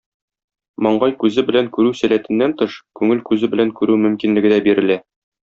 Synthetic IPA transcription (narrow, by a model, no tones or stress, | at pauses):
mɒɴɢɑjkʉzɘbɘ̆læŋkʉɾʉsælæt̪ɘ̆nːænt̪ɤʃkʉŋɘlkʉzɘbɘ̆læŋkʉɾʉmɵ̆mkinlɘ̆ɡɘ̆d̪æbiɾɘ̆læ